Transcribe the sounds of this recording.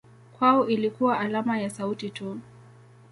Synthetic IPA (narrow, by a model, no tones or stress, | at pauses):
kwaɔʔilikuwaʔalamajasautitu